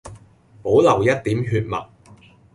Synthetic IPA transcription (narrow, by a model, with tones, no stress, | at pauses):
po˨˥wlɐ˨˩wjɐ˥t̚t̪iː˨˥mɦyː˧t̚mɐ̰˨˩t̚